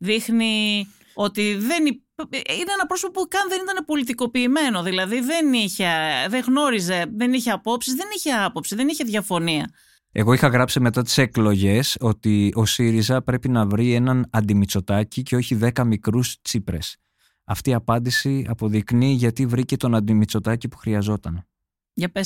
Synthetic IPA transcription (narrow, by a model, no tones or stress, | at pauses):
ðixni | o̞t̪iðe̞ni | ineenɐpɾo̞sipopukɐnðe̞nit̪ɐne̞po̞lit̪iko̞piːme̞noðilɐðiðe̞niçeðeɣno̞ɾize̞ðe̞niçeɐpo̞psizðe̞niçe̞ɐpo̞psiðe̞niçe̞ðʝɐfo̞niɐ̰ | e̞ɣo̞ixɐɣɾɐpsime̞t̪ɐt̪i̥se̞klo̞ʝe̞so̞t̪io̞siɾizɐpɾe̞pinɐvɾie̞nɐnɐnd̪imit͡so̞t̪ɐcice̞o̞çiðe̞kɐmikɾust͡sipɾe̞̰s | ɐ̰ft̪iɐpɐnd̪isiɐ̰po̞ðikniʝɐt̪ivɾice̞t̪o̞nɐnd̪imit͡so̞t̪ɐcipu̥xɾiɐzo̞t̪ɐn | ʝɐpes